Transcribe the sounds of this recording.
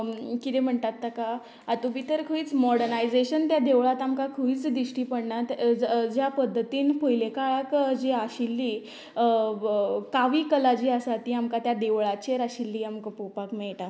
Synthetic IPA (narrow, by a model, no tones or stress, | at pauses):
kit̪em̤əɳt̪at̪ːakaː | t̪ubit̪əɾkʰəiːt͡smɔɽənajd͡zeɕənt̪jad̪eʋɭat̪amkakʰəiːt͡sd̪iɕʈiːpəɽɳat̪d͡ʑjapəd̪ʱːət̪iːnpəjlekaɭakd͡ʑiaɕilːiː | kaʋiːkəlad͡ʑiːasat̪iːamkat̪jad̪eʋɭat͡ɕeɾaɕilːiːamkpopakmeɭʈa